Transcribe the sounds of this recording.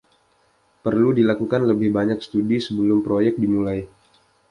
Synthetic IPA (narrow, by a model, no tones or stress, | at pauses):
pərludilakukanləbɪhbaɲakst̪udisəbəlʊmpɾojɛk̚dimulaj